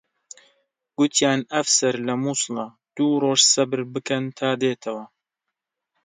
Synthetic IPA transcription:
ɡ̥ʊt̪ʰjaːnɐfsɐɾlɐmuːslˠɐ | d̪̥uːroːʒsɐbɨɾbɨkʰɐnt̪ʰaːd̪eːt̪ʰɐwɐ

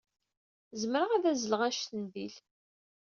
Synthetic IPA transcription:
zəmɾəʁæðæzələʁæʃt̪ənðil

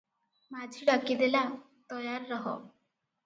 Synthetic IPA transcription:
mad͡ʒʱiɖakid̪ela | t̪ɔjaɾːɔɦɔ̰

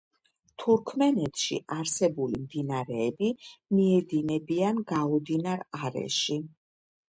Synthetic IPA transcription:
t̪ʰuɾkʰmɛnɛt̪ʰʃḭʔaɾsɛbulimd̪inaɾɛːbimiɛd̪inɛbianɡaud̪inaɾaɾɛ̰ʃi

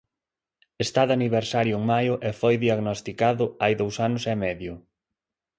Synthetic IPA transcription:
est̪aðaniβ̞eɾsaɾjʊeŋmajʊʔefojðiaɣnost̪ikaðʊajðowsanʊsɛmɛðjʊ

